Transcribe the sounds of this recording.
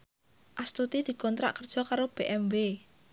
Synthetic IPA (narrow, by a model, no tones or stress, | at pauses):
ʔast̪ut̪id̪̥i̤kɔnt̪ɾa̰ʔkərd̥ʒ̥ɔ̤kaɾob̥eʔɛmve